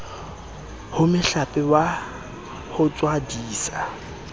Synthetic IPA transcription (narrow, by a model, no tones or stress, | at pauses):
hʊmɪɬapʼɪwa | hʊt͡sʼwadiːsa